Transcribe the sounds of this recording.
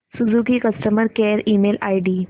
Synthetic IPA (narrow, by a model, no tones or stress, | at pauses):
sud͡zukiːkəsʈəməɾkeɾiːmelajɖiː